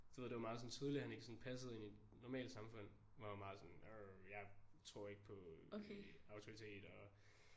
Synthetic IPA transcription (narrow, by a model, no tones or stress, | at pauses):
d̥o̥ʋ̥e̝ð̰ˠd̥eɑmɑ̈ːð̩ˠsɒ̽n̩t͡sʰið̞ˠlihæne̝ɡ̥əsɔ̽npʰæs̬əð̩ˠinid̥ | nɒmɛ̰ːld̥sɑ̈mfɔ̽n̰ | ʋɑhæmɑ̈ːð̩ˠsɒ̽nɔjɑ̈ɪt͡sʰʁo̝ɐ̰e̝ɡ̥əpʰɒ̽ | ɑ̈ʊt͡sʰoʁit͡sʰe̝̰ːd̥ɒ̽